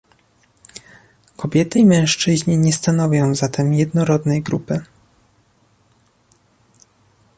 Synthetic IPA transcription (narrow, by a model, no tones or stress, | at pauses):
kʰɔbʲjɛt̪ɘimɛ̃w̃ʂt͡ʂɘʑɲɛɲɛst̪anɔvʲjɔ̃w̃zat̪ʰɛmjɛd̪nɔɾɔd̪nɛjɡɾupɘ